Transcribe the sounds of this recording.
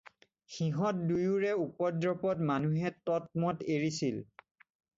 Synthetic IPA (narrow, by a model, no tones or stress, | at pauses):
xiɦɔt̚dujuɹɛupɔdɹɔpɔtmanuɦɛtɔt̚mɔteɹisil